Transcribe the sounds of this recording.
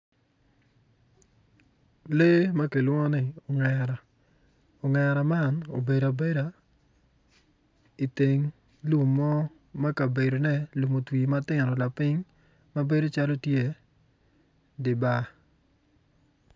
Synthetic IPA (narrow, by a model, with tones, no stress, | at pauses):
le˦ma˦ke˨lwɔ˦ŋɔ˦nɪ˨o˨ŋɛɾa˨ | o˨ŋɛ˨ɾa˨ma˦no̰˨be˨da˨be˦ɾa˨ | i˨te˨ŋ | lu˨mːɔ˦ | ma˦ka˨be˨ɾo˨nɛ˦lu˨mo˨twi˨ma˦tɪ˦ŋɾɔ˨la˨pɪ˦ŋ | ma˦be˦do˦t͡ʃa˦lo˦tje˦˨ | dɪ˨ba˦